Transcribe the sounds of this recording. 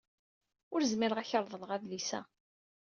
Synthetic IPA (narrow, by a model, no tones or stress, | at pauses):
ʊɾzmiɾəʁæçəɾˤðˤələʁæðlisæ̰